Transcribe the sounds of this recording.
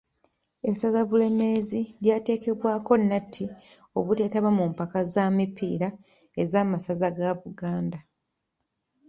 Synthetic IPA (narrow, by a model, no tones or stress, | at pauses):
e̞sazaβule̞me̞ziljaːte̞ːke̞βwaːko̞nːatʰːi | o̞βute̞ːtaβamumpakazamipḭːɾa | e̞zaːmasazaɡaβuɡaːnda